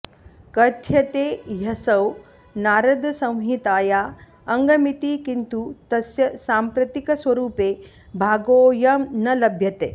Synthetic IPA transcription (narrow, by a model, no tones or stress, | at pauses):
kɐɾt̪ʰjɐt̪eːjɐsɐw | naːɾɐd̪ɐsɐ̃w̃ɦit̪aːjaː | ɐŋɡɐmit̪ikint̪ut̪ɐsjɐsaːmpɾɐt̪ikɐswɐɾuːpeː | bʱaːɡoːjɐmnɐlɐbʱjɐt̪eː